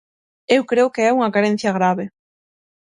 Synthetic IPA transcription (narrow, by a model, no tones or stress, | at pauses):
ewkɾeʊkeɛuŋɐkaɾen̟θjɐɣɾaβe